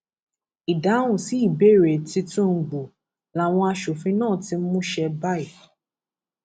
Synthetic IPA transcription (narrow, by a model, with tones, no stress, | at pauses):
i˨da˨˦ũ˦˨si˨˦i˦˨be˦˨ɾe˨ti˧tũ˦ŋ̩˨ɡ͡bu˨ | la˨w̃ɔ̃˧a˧ʃo˨fĩ˧nãː˦˨ti˧˦mũ˦ʃɛ˧ba˦i˦˨